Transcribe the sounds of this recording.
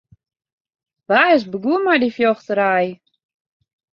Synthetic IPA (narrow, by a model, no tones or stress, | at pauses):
ʋaːɪs̬bəɡuəmajdifjoxtəɾaj